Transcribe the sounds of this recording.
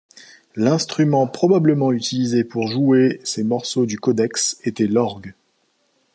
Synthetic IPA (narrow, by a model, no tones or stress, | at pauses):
lɛ̃st̪χymɑ̃pχɔbabləmɑ̃yt̪ilizepuʁʒuesemɔʁsod̪ykɔd̪ɛkset̪ɛlɔʁɡ